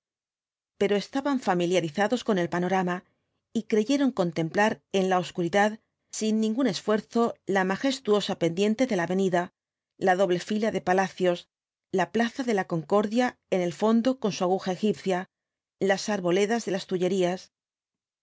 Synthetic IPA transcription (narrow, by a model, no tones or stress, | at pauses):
pe̞ɾo̞e̞st̪aβaɱfamiljaɾiθaðo̞sko̞ne̞lpano̞ɾama | ikɾe̞ʝe̞ɾo̞ŋko̞nt̪e̞mplaɾe̞nlao̞skuɾiðað | sinːĩŋɡune̞sfwe̞ɾθo̞lamaxe̞st̪uo̞sape̞nd̪je̞nt̪e̞ðe̞laβe̞niða | laðo̞βle̞filaðe̞palaθjo̞s | laplaθaðe̞lako̞ŋko̞ɾðjae̞ne̞lfo̞nd̪o̞ko̞nsuaɣ̞uxae̞xipθja | lasaɾβo̞le̞ðazðe̞last̪uʝe̞ɾias